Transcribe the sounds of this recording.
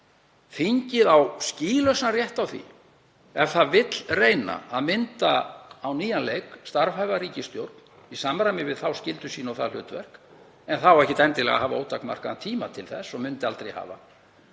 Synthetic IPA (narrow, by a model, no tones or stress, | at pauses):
fiɲcɪðawsciːlœsnarjɛht̪awθḭ | ɛvθaðvɪt̪l̥reːjna̰aðmɪnt̪aːwniːjanlejkst̪aɾvhajɣariːcɪst̪jowɾt̪n̥ | isaːmɾamɪvɪðθawscɪlt̪ʏsiːnɔwθa̰lʏ̰ːt̪vɛ̰r̥k | ɛnθawɛhcɪt̪ɛnt̪ɪlɛ̰ɣa̰ɦaːvaoːwt̪ːakma̰r̥kat̪ʰiːmat̪ʰɪlθɛsːɔmʏnt̪ɪalt̪ɾejha̰ːva̰